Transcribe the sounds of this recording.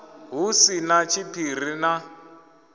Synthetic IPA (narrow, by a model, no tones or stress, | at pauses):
ɦusinat͡ʃʰipʰir̤ina